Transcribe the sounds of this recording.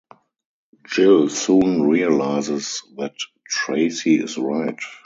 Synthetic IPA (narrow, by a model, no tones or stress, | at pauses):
d͡ʒɪlsũːnɹiəlaɪzɪsðæt | ɹeɪsiɪ̰sɹaɪt